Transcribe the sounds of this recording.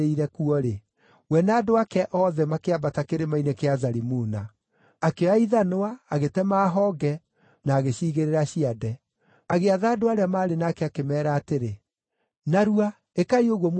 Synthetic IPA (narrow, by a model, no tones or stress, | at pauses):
eiɾɛkuɔɾe | wɛnaːdoakɛʔɔðɛmakeabatakeɾemainekeazaɾimunaː | keaiðanoaːɣetɛmaːɦɔɡɛ | naːɣeɕiːɣeɾeɾaɕiadɛ | aɣeaðaːdoaɾeamaːɾenaːkɛakemɛːɾaːteɾe | naɾua | ekaioɣwɔm